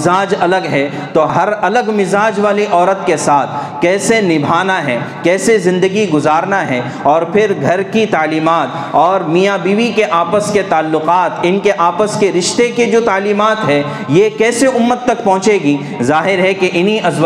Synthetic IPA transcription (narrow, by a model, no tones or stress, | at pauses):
aːd͡ʒɐləɡɦɛ | t̪oːɦɐɾɐləɡmɪzaːd͡ʒʋaːliʔɔːɾət̪kesaːt̪ʰ | kɛːsenɪbʱaːnaɦɛkɛːsezɪ̃nd̪əɡiɡʊzaːɾnaɦɛ | ɔːɾpʰɪɾɡʱɐɾkit̪aːliːmaːt̪ | ɔːɾmijabiːʋikeʔaːpəsket̪aːlːʊqaːt̪ɪnkeʔaːpəskeɾɪʃt̪eked͡ʒoːt̪aːliːmaːt̪ɦɛ | jekɛːseʔʊmːət̪ːɐkpɔ̃ɦʊ̃t͡ʃeːɡi | zaːɦɪɾɦɛkeʔɪnɦiʔɐz